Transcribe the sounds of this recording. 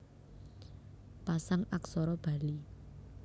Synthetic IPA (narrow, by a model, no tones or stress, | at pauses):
pasaŋaksɔɾɔb̥ä̤li